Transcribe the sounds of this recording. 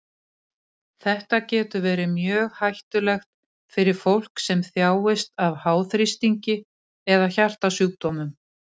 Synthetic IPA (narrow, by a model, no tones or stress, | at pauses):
θɛht̪acɛːt̪ʏvɛːɾɪmjœːɣhajht̪ʏlɛxt̪̚ | fɪɾɪɾ̥fowl̥ksɛmθjaːwɪst̪avhaːwθɾɪst̪iɲcɪ | ɛðaçar̥t̪asuːk̚t̪ɔmʏm